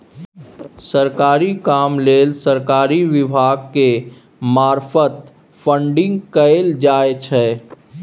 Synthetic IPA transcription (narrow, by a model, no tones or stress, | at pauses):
səɾkaːɾikaːmleːlsəɾkaːɾiʋɪbʱaːɡke | maːɾfət̪ | fʰə̃ɳɖɪ̃ŋɡkəeld͡ʒaːet͡ʃʰɛː